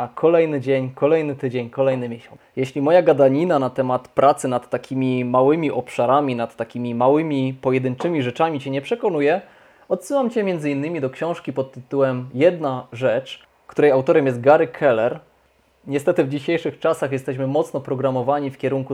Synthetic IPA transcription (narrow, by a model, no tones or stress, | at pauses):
kʰɔlɛjnɘd͡ʑeɲkɔlɛjnɘt̪ɘd͡ʑeɲkɔlɛjnɘmʲjeɕɔ | jɛɕlʲimɔjaɡad̪aɲinanat̪ɛmat̪pɾʔat̪sɘnat̪ːakʲʰimʲimawɘmʲiʔɔpʂaɾamʲinat̪ːakʲimʲimawɘmʲipɔjɛd̪ɘnt͡ʂɘmʲiʐɛt͡ʂamʲit͡ɕɛɲɛpʂɛkɔnujɛ | ɔt̪sɘwamt͡ɕɛmʲjɛnd̪zɘinːɘmʲid̪ɔkɕɔ̃w̃ʂkʲipɔt̪ːɘt̪uwɛmjɛd̪naʐɛt͡ʂ | kt̪uɾɛjawt̪ɔɾɛmʲjɛst̪̚ɡaɾɘkʰɛlɛɾ | ɲɛst̪ɛt̪ɘvd͡ʑiɕejʂɘxt͡ʂasaxjɛst̪ɛɕ̬mɘmɔt̪snɔpɾɔɡɾamɔvaɲifkʲɛɾuŋku